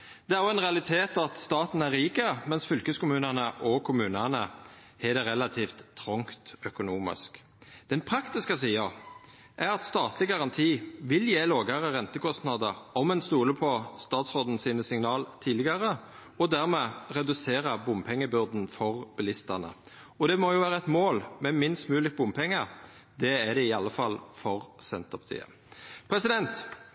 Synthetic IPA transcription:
d̪̥ɛæʁɔɛnʁɛɑlɪt̪ʰeːt̪ɑt̪st̪ɑːt̪n̩æʁɾiːkəmɛnsfʏlkəskʊmʉːnənəʔɔkʰʊmʉːnənə | ɛd̪ɛʁɛlɑt̪ʰiːft̪ʰːʁɔŋkt̪œkʊnuːmɪ̰sk | d̪̥ɛnpʰɾɑkt̪ɪskəsiːɑ | ʔæɾɑt̪st̪ɑːt̪ʰlɪɡɑʁɑnt̪ʰiːʋɪljeːloːɡəʁəʁɛnt̪əkʰɔst̪nɑd̪əʁɔmɛnst̪uːləpʰɔst̪ɑːt̪sʁod̪n̩siːnəsɪŋnɑːlt̪ʰiːlɪɡɑʁə | ɔd̪æʁmɛːʁɛd̪ʉseːʁəbʊmpʰɛŋːəbʏʁd̪n̩fɔʁb̥ɛlɪst̪ɑnə̰ | ɔd̪ɛmɔjʊʋæːʁəɛt̪moːlmɛmɪnst̪mʉːlɪk̚bʊmpʰɛŋːə | d̪ɛæd̪ɛɪɑlːəfɑlfɔʁsɛnt̪əpʰɑ̥t̪ʰḭːə̰ | pʰɾɛsɪd̪ɛnt̪

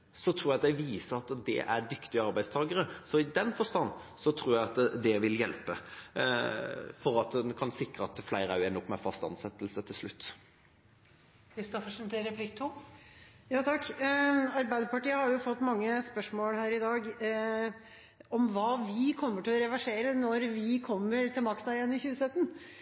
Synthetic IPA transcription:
sɔt̪ʰɾuːjɛæɪʋiːsəɾɑt̪d̪ɛ̰ʔæɖ̪ʏkt̪ɪəɑɾbæɪst̪ʰɑːɡəɾəsɔɪd̪ɛnfɔst̪ɑnː | sɔt̪ʰɾuːɾjæɑt̪d̪ɛʋɪljɛlpə | fɔɾɑt̪kʰɑnsɪkɾəɑt̪̚d̪flæɪɾəæɛnːɔpːmɛfɑst̪ɑ̰nsɛt̪ːəlsət̪ʰɪlslʉt̪ː | kɾɪst̪ɔfəʂɛnt̪ɪɾɛplɪkt̪ʰu | jɑːt̪ʰɑkː | ɑɾbæɪd̪əɾpɑʈiːəhɑɾjʊfɔt̪ːmɑŋːəspœʂmoːlhæːɾɪd̪ɑːɡ | ɔmʋɑːʋɪkʰɔmːəʈʰɪlɔɾɛʋæʂeːɾənɔɾʋɪkʰɔmːəɾt̪ʰɪlmɑkt̪ɑjɛnːmɪçʉːəsœt̪ːən

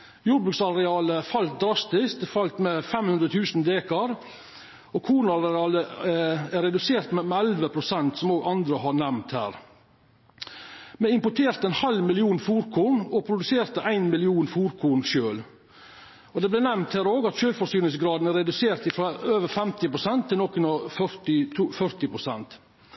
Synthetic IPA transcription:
juːɾbɾʉːksɑɾɛɑːləfɑlt̪̚d̪ɾɑst̪ɪskt̪fɑlt̪mɛfɛmhʉnd̪ɾət̪ʰʉːsnd̪eːkɑɾ | ɔkʰuːnɑɾɛɛɑːlə | æɾɛd̪ʉseːɾt̪mɛmɛælʋəpʰɾʊsɛnt̪sɔmoːɡɑnd̪ɾəhɑɾɳɛmnt̪hæ̰ːɾ | mɛɪmpʊʈʰeːɾt̪əænhɑlmɪlɪuːnfuːɾkʰuːɳɔpʰɾʊd̪ʉseːɾt̪əʔæɪnmɪlɪuːnfuːɾkʰuːɳʃøːl | ɔd̪ɛblɛnɛmnt̪hæːɾoːɡɑt̪ʃøːlfɔsyːnəsɡɾɑːd̪n̩æɾɛd̪ʉseːɾt̪ɪfɾɑøːʋəɾfɛmt̪ɪpɾʊsɛnt̪ʰːɪlnɔkʰːʉnɑfœɪt̪ʰufœɾt̪ɪpɾʊsɛnt̪

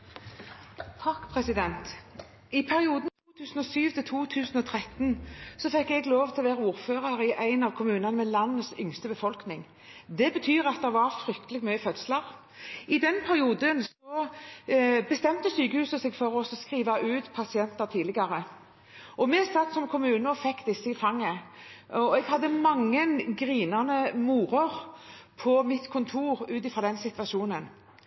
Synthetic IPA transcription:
t̪ʰɑkːpʰʁɛsɪd̪ɛnt̪ | ɪpʰæɾɪuːd̪nt̪ʰuːt̪ʰʉːsn̩ɔsyːʋt̪ʰɪlt̪ʰuːt̪ʰʉːsn̩ɔt̪ʰɾʁɛt̪nsɔfɛkːɛɡloːʋt̪ʰɪlɔʋeːʁɑuːɾføːʁɑɾɪʔæɪnɑʋkʰʊmʉːnɑnəmɛlɑnːəsʏŋst̪əbəfɔlknɪŋ | d̪ɛbət̪ʰyːʁɑt̪̚d̪ɛʋɑɾfɾʏkt̪əlɪɡmœʏəfœd̪sləʁ | ɪd̪ɛnpʰæɾɪuːd̪ənsɔ | bəst̪ɛmt̪əsyːkəhʉːsəsɛɡfɔɾɔsɔskʁiːʋɑʔʉːt̪pʰɑsɪɛnt̪əɾt̪ʰiːd̪ɪɡɑɾə | ʔɔmɛsɑt̪ːsɔmkʰʊmʉːnəɔfɛkːd̪ɪsːəɪfɑŋːə | ɔɛɡhɑd̪ːəmɑŋːənɡʁiːnɑnəmuːʁəʁpʰɔmɪt̪kʰʊnt̪ʰuːʁʉːt̪ɪfʁɑd̪ɛnsɪt̪ʋɑʃuːnən

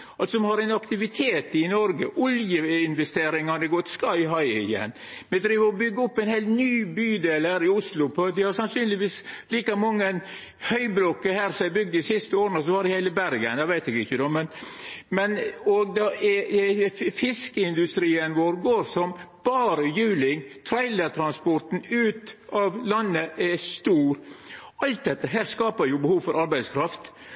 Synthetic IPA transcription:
ɑlt̪sɔmhɑɾæɪnɑkt̪ɪʋɪt̪ʰeːt̪ɪnɔɾɡəʔʊljəɪnʋɛst̪eːɾɪŋɑd̪ɛɡɔt̪ːskɑɪɦɑɪɪ̰jɛ̰nː | mɛd̪ɾiːʋəɾɔbʏɡːəɔpːæɪnheɪlt̪nyːbyːd̪eːlhæːɾɪʊslʊpʰɔɑt̪d̪ɪhɑɾsɑnsyːnlɪʋiːsliːkɑmɑŋːən | hœʏbɾɔkːəhæːɾsɔmæbʏɡ̚d̪ɪsɪst̪əoːɾənəsɔʋhɑɾɪheɪləbæɾɡə̰nd̪ɛʋæɪt̪ɛɡɪçːəd̪ɛmɛnmɛnɔɡd̪ɑʔɛ | fɪskəɪnd̪ʉst̪ɾiːənʋoːɾɡoːɾsɔmb̥ɑːɾəjʉːlɪŋt̪ʰɾæɪləɾt̪ʰɾɑnspɔɾʈ̪n̩ʉːt̪ɑʋlɑnːəʔɛst̪uːɾɑlt̪̚d̪ɛt̪ːəɦæːɾskɑːpəɾjʊbəhuːʋfɔɾʔɑɾbæɪskʰɾɑft̪

